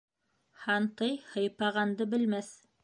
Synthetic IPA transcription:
hɑnt̪ɤjhɤ̆jpɑʁɑnd̪ɤbɘ̆lmæθ

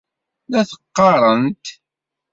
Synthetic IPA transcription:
læθə̥qːɑɾˤənt̪

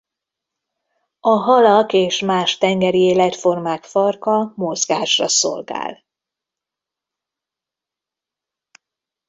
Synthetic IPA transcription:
ɒɦɒlɒkeːʃmaːʃt̪ɛŋɡɛɾieːlɛt̪fo̞rmaːkfɒrkɒmozɡaːʃrɒso̰lɡa̰ːl

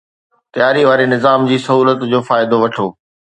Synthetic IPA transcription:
t̪ɐjaːɾiʋaːɾenɪzaːmd͡ʑiːsɐɦuːlət̪d͡ʑoːfaːɪd̪oʋɐʈʰoː

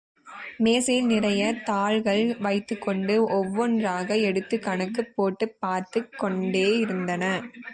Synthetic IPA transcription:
meːsɐjɪlnɪrɐjɐt̪aːɭɣɐɭʋɐɪt̪ːɯkːɔɳɖɯʔɔʋːɔndraːɣɐɛɽɯt̪ːɯkɐɳɐkːɯpːoːʈːɯpːaːɾt̪ɯkːɔɳɖeːɪɾɯnd̪ɐnɐ

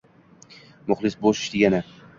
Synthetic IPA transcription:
mʊχlˠɪsboʃɪ̥ʃd̪ɪɡʲanɪ

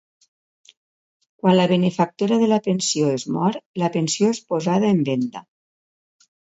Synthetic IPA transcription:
kwanləβenefak̚t̪uɾaðəlapensioezmɔɾlapensijoespozaðaembend̪a̰

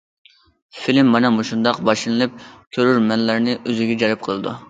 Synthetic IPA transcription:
filɪmːɑnɛmuʃund̪ɑqbɑʃlɨnɨlˠɨp̚kʲʰøɾyɾmɛnlæɾnɪʔøzɪɡʲɛd͡ʒɑɾɨp̚qʰəlˠɨd̪ṵ

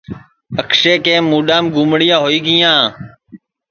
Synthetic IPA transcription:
əkseːkẽːmːuːɗaːmɡuːmɳɪjãːɦoːiːɡiːãː

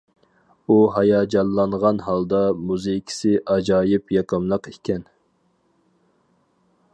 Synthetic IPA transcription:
uɦɑjɑːd͡ʒɑlˠːɑɴʁɑnɦɑlˠd̪ɑmuzɨkʲʰi̥sɪʔɑd͡ʒɑːjɪpjɑkəmlˠəqikʲʰɛn

